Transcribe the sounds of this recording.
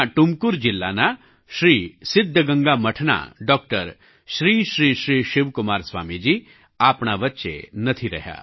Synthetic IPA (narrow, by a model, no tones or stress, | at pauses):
ʈʊmkʊɾd͡ʒɪlːa̰na | ʃɾiːsɪd̪ʱːəɡɐ̃ŋɡamɐʈʰna̰ɖɔːk̚ʈəɾ | ʃɾiːʃɾiːʃɾiːʃɪʋkʊmaːɾsʋa̰ːmid͡ʒiː | aːpɳaʋɐtːʃḛnɐt̪ʰiɾɐ̰ɦja̰ː